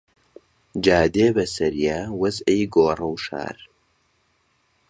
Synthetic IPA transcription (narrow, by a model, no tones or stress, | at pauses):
d͡ʒaːd̪eːbɐsɐɾijaːwɐzʔɐjɡoːrˤɐwʃa̰ːɾ